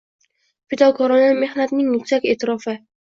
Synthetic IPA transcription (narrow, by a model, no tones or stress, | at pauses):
pɪd̪ɒkʰɒɾɒname̞hnat̪nɪŋnʊkʲsakʲet̪ʰɪɾɒfɪ